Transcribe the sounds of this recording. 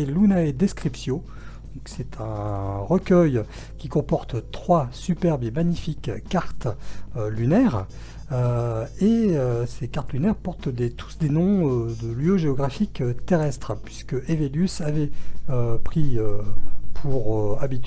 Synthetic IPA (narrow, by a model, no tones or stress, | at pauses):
elunaed̪eskχipsjɔ̃ | d̪̥ɔ̃ksɛt̪ʰɛ̃ʁəkʲœj | kʲikɔ̃pɔʁt̪t̪χwasypɛʁbemaɲifikːaʁt̪ølynɛːʁ | øeøsekaʁt̪lynɛʁpɔʁt̪d̪et̪ʰu̥sd̪enɔ̃ød̪əljøʒeɔɡʁafikøt̪eʁɛst̪χəpɥiskəʔeveljysavɛøpχiøpʰuʁøabit̪